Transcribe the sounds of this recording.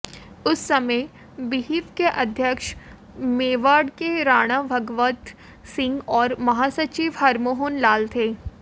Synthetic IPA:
ʊsːɐməj | biɦiːt̪keʔɐd̪ʱjəkʃ | meːʋaːɽkeɾaːɽ̃abʱɐɡʋət̪ | sɪ̃ŋɡɔːɾmɐɦaːsɐt͡ʃiːʋɦɐɾmoɦʊnlaːlt̪ʰeː

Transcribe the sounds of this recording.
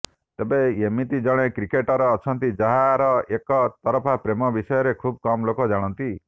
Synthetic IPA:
t̪ebeemit̪id͡ʒɔɽ̃ekɾikeʈɔɾɔːt͡ʃʰɔnt̪id͡ʒaɦaɾɔekɔt̪ɔɾɔpʰapɾemɔbisɔjɔɾekʰub̚kɔmɔlokɔd͡ʒaɽ̃ɔnt̪i

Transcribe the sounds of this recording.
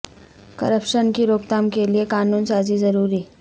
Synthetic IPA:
kɐ̰ɾəpʃənkiɾoːpt̪aːmkeliekaːnuːnsaːzizɐɾuːɾiː

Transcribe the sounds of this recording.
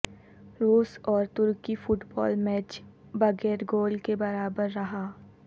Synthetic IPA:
ɾuːsɔːɾt̪ʊɾkifʊʈbɔ̰ːlmɛːt͡ʃ | bɐɡɛːɾɡoːlkebɐɾaːbəɾːɐɦaː

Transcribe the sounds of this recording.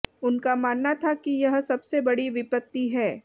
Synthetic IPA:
ʊnkamaːnːat̪ʰakijɐɦsɐbsebɐɽiʋɪpət̪ːiɦɛː

